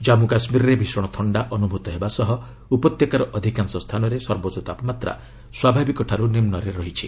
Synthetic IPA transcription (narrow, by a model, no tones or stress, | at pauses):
d͡ʒamukasmiɾɔɾebʱisɔɽ̃ɔt̪ʰɔɳɖaʔɔnubʱut̪ɔɦebasɔɦɔ | upɔt̪jɔkaɾɔʔɔd̪ʱikansɔst̪ʰanɔɾesɔɾbot͡ʃɔt̪apɔmat̪ɾa̰ | swabʱabikɔʈʰaɾunimnɔɾeɾɔɦit͡ʃʰi